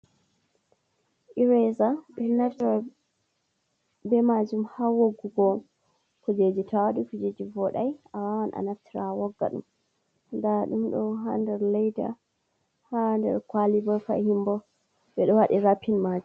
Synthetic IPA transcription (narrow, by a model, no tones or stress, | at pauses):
ʔiɾɛzaɓɛnːaftaɾ | bɛmad͡ʒumhawoɡːuɡɔ | kɔd͡ʒed͡ʒitʰawaɗikud͡ʒed͡ʒivɔɗajʔawawanʔa̰naftʰiɾawɔɡːa̰ɗṵm | ndaɗumɗɔɦandɛɾlɛjda̰ | handɛ̰ɾkwalibɔfa̰himbɔ | ɓɛɗɔwaɗiɾapʰːinmaːd͡ʒum